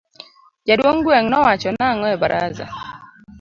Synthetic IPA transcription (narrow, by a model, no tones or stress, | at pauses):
d͡ʒadwoŋɡwɛŋnɔwat͡ʃɔnaŋɔɛbaɾʔa̰za̰